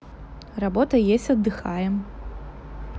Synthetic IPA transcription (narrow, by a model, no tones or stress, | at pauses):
rabɔt̪ɐjesʲtʲɐd̪ːɨxajɛm